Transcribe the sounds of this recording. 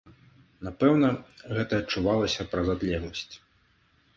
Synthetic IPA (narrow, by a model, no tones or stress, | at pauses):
napɛwnɐɣɛt̪ɐːt͡ʂːuvalˠɐsʲɐpɾɐzad̪lʲɛɣlˠɐsʲt͡sʲ